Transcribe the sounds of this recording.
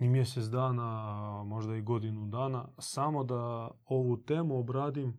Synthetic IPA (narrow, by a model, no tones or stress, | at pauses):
imje̞set̪sd̪aːnamo̞ʒd̪aiɡo̞d̪inud̪aːnasamo̞d̪ao̞ʋut̪e̞ːmuobɾaːd̪im